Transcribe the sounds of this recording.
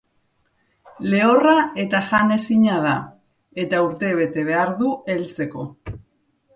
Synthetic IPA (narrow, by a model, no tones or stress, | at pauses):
le̞orae̞t̪aʝane̞siɲað̞a | e̞t̪auɾt̪e̞β̞e̞t̪e̞β̞e̞aɾðue̞lt͡se̞ko̞